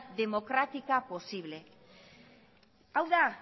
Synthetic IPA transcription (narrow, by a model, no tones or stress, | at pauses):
ðe̞mo̞kɾat̪ikapo̞siβ̞le̞ | awða